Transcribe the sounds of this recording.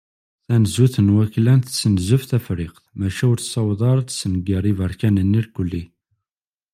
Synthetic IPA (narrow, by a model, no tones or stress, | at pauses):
θænəzuθənwæklænt̪sːənzʊfθæfɾɪqθmæʃæʊɾθsɑwðˤɑɾˤt̪sənəɡəɾˤivəɾˤkænənːiɾkəlːi